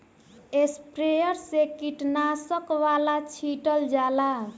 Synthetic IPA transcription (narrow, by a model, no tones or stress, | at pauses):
espɾejʌɾsekiʈnasʌkwalat͡ʃʰiʈʌld͡ʒala